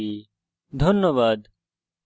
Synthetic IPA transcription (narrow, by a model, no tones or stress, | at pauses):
i | d̪ʱənːəʋaːd̪